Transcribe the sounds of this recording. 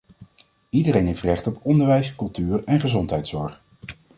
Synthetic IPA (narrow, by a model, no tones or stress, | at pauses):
idəɾejnɦejftrɛχtɔpɔndəɹʋɛjskɵlˠtyːrɛnχəzɔntɦɛjtsɔɹχ